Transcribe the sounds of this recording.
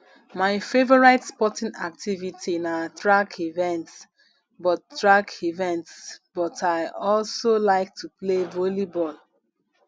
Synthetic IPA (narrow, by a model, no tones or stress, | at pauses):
maɪfevɔɹaɪtspɔtĩna̰k̚tʰivitʰinatɹakʰivɛ̃nts | bɔtːɹakʰivɛ̃ntsb̥ɔtʰaɪɔlsolaɪk̚tʰuplevolibɔl